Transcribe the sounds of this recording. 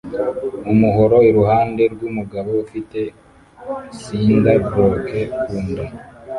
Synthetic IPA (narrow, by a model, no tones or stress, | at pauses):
umuɦo̞ɾo̞iɾuhaːnde̞ɾɡuːmuɡaβoufite̞ | siːndabɾo̞ke̞kuːnda